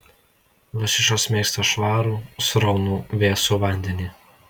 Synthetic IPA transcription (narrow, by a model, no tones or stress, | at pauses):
lˠɐsʲɪʃkoːsmʲeːst̪oːʃʋɑːɾuːsɾɒʊnuːʋʲeːsuʋɑˑnʲd̪ʲɛnʲiː